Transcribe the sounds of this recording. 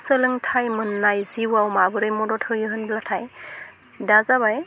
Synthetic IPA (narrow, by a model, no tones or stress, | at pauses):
səlɯŋtʰajmɯnːajziwawmabɯɾɯjmɔdɔtʰɯwjɯɦɯnblatʰaj | dazaβaj